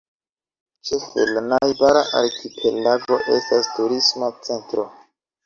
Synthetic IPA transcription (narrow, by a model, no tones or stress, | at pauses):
t͡ʃefḛlnajbaɾaʔaɾkʰipʰe̞laɡo̞ʔe̞̰stastuɾismat͡se̞ntɾo